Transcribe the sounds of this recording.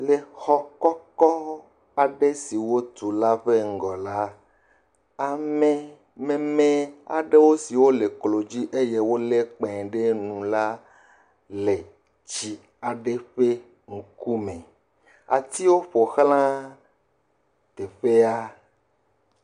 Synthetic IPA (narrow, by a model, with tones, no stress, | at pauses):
le˨xɔ˦kɔ˦kɔ˦ | a˨ɖe˦si˨wo˦t̪u˨la˦ɸe˦ŋ̩˨ɡɔ˨la˦ | a˨mẽ˨ | mẽ˨mẽ˦a˨ɖe˦wo˦si˨wo˦le˨klo˨d͡ʑi˦ʔe˦je˦wo˦le˦k͡pẽ˨ɖe˦nũ˨la˦ | le˨ | t͡ʃi˨ | a˨ɖe˦ɸe˦ | ŋ̩˨ku˦mẽ˨ | a̰˨t̪i˦wo˦ɸo˨xlã˦ | t̪e˨ɸe˦a˦